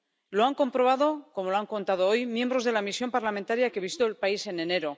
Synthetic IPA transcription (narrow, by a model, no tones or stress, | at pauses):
lo̞aŋko̞mpɾo̞β̞aðo̞ko̞mo̞loaŋko̞nt̪að̞oojmje̞mbɾo̞zðe̞lamisjo̞mpaɾlamẽnt̪aɾjake̞βist̪oelpaise̞ne̞ne̞ɾo̞